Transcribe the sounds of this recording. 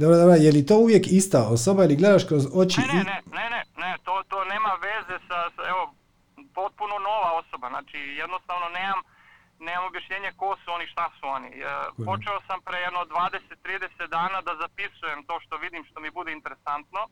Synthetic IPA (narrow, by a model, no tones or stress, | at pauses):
d̪obɾod̪obɾojeljet̪ouʋjekist̪ao̞sobailiɡle̞d̪aʃkɾozo̞t͡ʃiʔnenenenet̪oːt̪oːneːmaʋezesasaeʋo | po̞t̪̚punono̞ʋao̞so̞bazna̰ːt͡ʃijed̪nost̪aːʋnoneːmam | neːmamobjaʃɲeːɲekosuoniʃt̪asuo̞nipot͡ʃeosampɾejed̪nod̪ʋaːd̪eset̪ːɾiːd̪eset̪̚d̪aːnad̪azapisujemt̪o̞ːʃt̪o̞ʋid̪imʃt̪o̞mibud̪eint̪eɾesant̪no